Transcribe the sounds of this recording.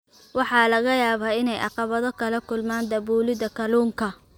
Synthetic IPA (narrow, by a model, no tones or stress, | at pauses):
wɑħɑːlɐɣɐjaːβaːɪnɛjʔɑ̰qɑβɐðɔkʰɐlɐkʰʊlmaːnd̪ɐbuːlɪðɐkʰɐluːŋkʰɐ